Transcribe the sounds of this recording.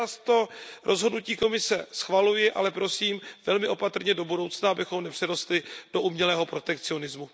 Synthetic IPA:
ast̪o̞ɾʔo̞zɦodnuciːko̞mɪsɛsxvalujɪʔa̰lɛpɾo̞siːmvɛlmɪʔo̞pat̪r̩ɲɛdo̞budo̞wt͡snaabɪxo̞mnɛpr̝̥ɛɾo̞st̪lɪd̥o̞ʔumɲɛlɛːɦo̞pɾo̞t̪ɛkt͡sɪo̞nɪzmu

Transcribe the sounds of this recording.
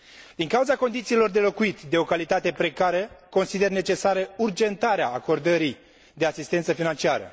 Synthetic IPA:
d̪̥iŋkauzako̞nd̪it̪silo̞rd̪e̞lo̞kuit̪d̪e̞o̞kalit̪at̪e̞pɾe̞kaɾəko̞nsid̪e̞rne̞t͡ʃe̞saɾəurd͡ʒe̞nt̪aɾeaːko̞rd̪əɾi | d̪e̞asist̪e̞nt̪səfinant͡ʃiaɾə̰

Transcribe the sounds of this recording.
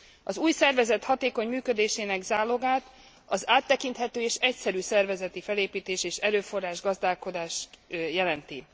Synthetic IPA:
ɒzuːjsɛrvɛzɛt̪hɒt̪eːko̞ɲmyːkød̪eːʃeːnɛɡzaːloɡaːt̪ | ɒzaːt̪ːɛkint̪hɛt̪øːeːʃɛcsɛɾyːsɛrvɛzɛt̪ifɛleːpiːt̪eːʃeːʃɛɾøːfo̞raːʒɡɒzd̪aːlko̞d̪aːʃt̪jɛlɛnt̪i

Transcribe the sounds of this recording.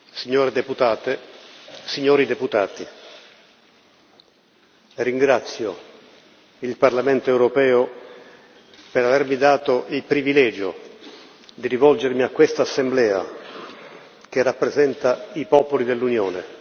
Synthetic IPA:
siɲːoːɾed̪eput̪aːt̪e | siɲːoːɾid̪eput̪aːt̪i | riŋɡɾat̪sːjo | ilparlamɛnt̪oewɾopɛːo | peɾavɛrmid̪aːt̪oʔilpɾivilɛːd͡ʒo | d̪iɾivɔld͡ʒermiakːwest̪aːsːemblɛːa̰ | k̟erːapːɾezɛnt̪aipɔːpolid̪elːunjoːnḛ

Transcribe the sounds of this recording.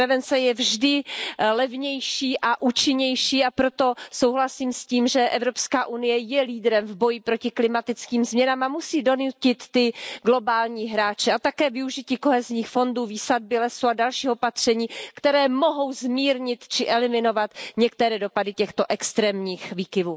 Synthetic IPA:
ɾɛvɛnt͡sɛjɛvʒdɪlɛvɲɛjʃiːʔaʔuːt͡ʃɪɲɛjʃiːapɾo̞t̪o̞sowɦlasiːmsciːmʒɛʔɛvɾo̞pskaːʔunɪjɛjɛliːd̪ɾɛmvbo̞jɪpɾo̞cɪklɪmat̪ɪt͡skiːmzmɲɛnaːmamusiːdo̞nucɪt̪ːɪɡlo̞baːlɲiːɦɾaːt͡ʃɛat̪akɛːvɪuʒɪciːko̞ɦɛzɲiːxfo̞nduːviːsad̚bɪlɛsuadalʃiːo̞pat̪r̝̥ɛɲiːkt̪ɛɾɛːmo̞ɦo̞wzmiːɾɲɪt̪t͡ʃɪʔɛlɪmɪno̞vat̪ɲɛk̚t̪ɛɾɛːdo̞padɪcɛxt̪o̞ʔɛkst̪ɾɛːmɲiːxviːkɪvuː

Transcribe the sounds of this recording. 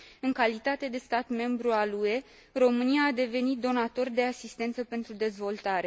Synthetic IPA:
ɨŋkalit̪at̪e̞d̪e̞st̪at̪me̞mbɾualue̞ | ro̞mɨniaːd̪e̞ve̞nit̪̚d̪o̞nat̪o̞rd̪e̞asist̪e̞nt̪səpe̞nt̪ɾud̪e̞zvo̞lt̪aɾe̞

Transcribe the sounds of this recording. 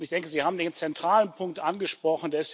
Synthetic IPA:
ntɪçd̥ɛŋkəzihaːbm̩deːnt͡sɛntʁ̥aːlənpʰʊŋk̚tʔanɡəʃpʁ̥ɔχn̩deːɐɪst

